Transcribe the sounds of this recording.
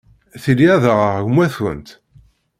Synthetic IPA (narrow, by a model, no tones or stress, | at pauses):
θiliæðəʁəʁɣmwæθwə̰nt̪